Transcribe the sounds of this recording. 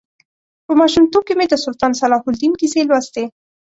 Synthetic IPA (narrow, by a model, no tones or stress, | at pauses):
pəmɑʃumt̪ob̚kemed̪əsʊlt̪ɑnsalɑhʊld̪imkiselwast̪e